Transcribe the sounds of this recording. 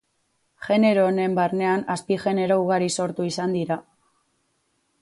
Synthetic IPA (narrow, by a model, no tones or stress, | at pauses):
ʝe̞ne̞ɾo̞ːne̞mbarne̞anaspiʝe̞ne̞ɾo̞uɣaɾiso̞ɾt̪uisand̪iɾa